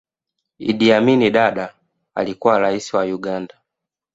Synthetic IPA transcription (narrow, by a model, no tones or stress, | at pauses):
ḭdiaminiɗaɗa | a̰likuwaɾaisiwajuɡanda